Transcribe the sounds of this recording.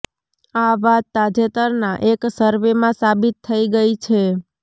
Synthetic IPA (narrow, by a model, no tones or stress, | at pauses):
aʋat̪ːad͡ʒet̪əɾnaʔeksəɾʋemãsabit̪ʰːəiɡəit͡ʃʰe